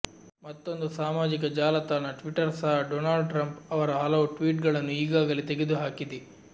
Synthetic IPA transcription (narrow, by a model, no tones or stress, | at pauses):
mɐt̪ːo̞nd̪usaːmaːd͡ʒikɐd͡ʒaːlɐt̪aːnɐʈʋiʈɐɾsaɦɐɖoːnaːɭɖʈɾɐmpɐʋɐɾɐɦɐlɐʋuʈʋiːʈɡɐɭɐnːuiːɡaːɡɐlet̪eɡed̪uɦaːkid̪e